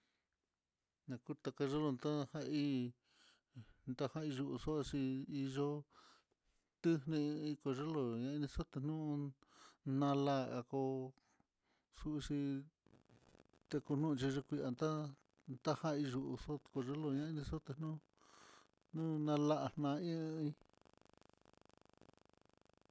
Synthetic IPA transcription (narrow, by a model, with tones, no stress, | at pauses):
nã˧ku˦t̪a˧ka˧ʒe˦lo˧nt̪a˦ha˧i˦ | nt̪a˦hã˦i˧ʒu˧ʔu˧so˦ʔʂi˧i˧ʒo˦ | t̪ɨ˦nĩ˧i˧ko˨ʐe˦lo˧ɲã˧i˧nĩ˧so˦t̪e˧nũ˦˧ | nã˧la˦˨a˧ko˧ | su˦˧ʂi˧ | t̪e˧ku˧nũ˦˧t͡ʃi˧ʐe˧kʷi˧a˧nt̪a˦ | nt̪a˦hã˦˧i˧ʒu˧ʔṵ˧so˦˧ko˧ʐe˦lo˧ɲã˧˦i˧nĩ˧so˦t̪e˧nũ˦ | nũ˦nã˧la˦ʔḁ˧˨nã˧ĩ˦˧i˧